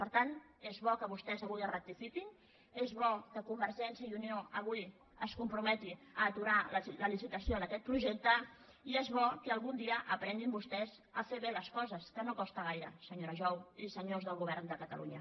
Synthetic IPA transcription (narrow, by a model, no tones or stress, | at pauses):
pəɾt̪an | ezβɔkəβust̪ɛzəɣujərək̚t̪ifikin | ezβɔkəkumbəɾʒɛnsiəiunioʔəɣ̞uj | əskumpɾumɛt̪iəːt̪uɾalləlisit̪əsionəkɛt̪̚pɾuʒɛk̚t̪ə | iezβɔkəːlˠɣund̪iəʔəpɾɛnd̪imbust̪ɛz | əfeβeləskɔzəskənokɔst̪əɣ̞ajɾə̰səɲoɾəʒɔwisəɲozðəlˠɣuβɛɾnd̪əkət̪əlṵɲə